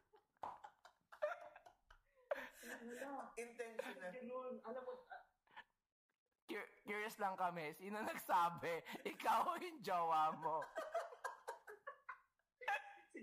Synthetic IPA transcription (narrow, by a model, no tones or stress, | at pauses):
naɪnt̪ɛn | nɐlɐmo | kjkjuɹjɐslɐŋkɐmɛsiːnɐnɐɡsaːbɛʔɪkawjʊŋd͡ʒɐwaːmo